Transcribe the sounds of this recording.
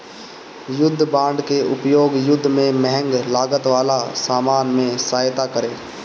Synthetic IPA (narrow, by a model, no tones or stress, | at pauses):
jʊd̪ʱːbãːɳɖkeʊpjoːɡjʊd̪ʱːmẽmɛɦə̃ŋɡlaːɡət̪ʋaːlasaːmaːnmẽsaːjt̪akəɾeː